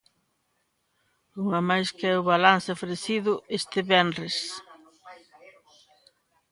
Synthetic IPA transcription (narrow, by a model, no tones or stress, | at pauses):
uŋamajskɛʊβalanθɪofɾeθiðʊest̪ɪβɛnɾes